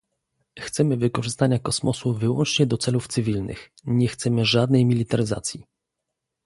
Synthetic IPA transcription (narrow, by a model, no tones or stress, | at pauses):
xt̪sɛmɘvɘkɔʐɘst̪aɲakɔsmɔsuvɘwɔ̰nt͡ʂɲɛd̪ɔt̪sɛluft̪sɘvʲilnɘ̰x | ɲɛxt̪sɛmɘʐad̪nɛjmʲilʲit̪aɾɘza̰t̪sʲji